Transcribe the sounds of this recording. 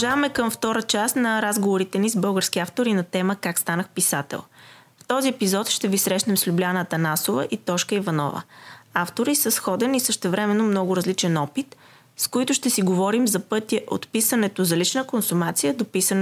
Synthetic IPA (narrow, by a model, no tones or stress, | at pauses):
ʒavɐmɛkəmft̪ɔɾət͡ʃast̪nɐɾazɡovoɾit̪ɛnizbɤlˠɡəɾsk̟iaft̪oɾinɐt̪ɛməkakst̪anəxpisat̪ɛ̰lˠ | ft̪ɔziɛpizɔt̪ʃt̪ɛvisɾɛʃnɛmslʲublʲanət̪ənasovə̰ʔit̪ɔʃkəivɐnɔ̰və̰aft̪oɾisəsxɔd̪ɛnisəʃt̪ɛvɾɛmɛnːomnɔɡʊɾɐzlit͡ʃɛnɔpit̪ | skoit̪ʊʃt̪ɛsiɡovɔɾimzɐpɤt̪iɛʔo̰t̪pisənɛt̪ozɐlit͡ʃnəkonsumat̪sijəd̪opisən